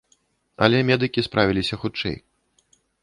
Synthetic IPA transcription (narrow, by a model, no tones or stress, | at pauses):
ɐ̰lʲɛmʲɛd̪ɨkʲispɾʔavʲilʲisʲɐxut͡ʂɛ̰j